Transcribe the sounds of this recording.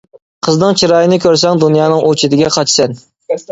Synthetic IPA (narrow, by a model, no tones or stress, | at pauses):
qʰəznɨŋt͡ʃʰiɾɑːjinɨkʲʰøɾs̬ɛŋd̪unjɑːnɨŋʔot͡ʃʰɪd̪ɪɡʲɛqʰɑt͡ʃʰsɛn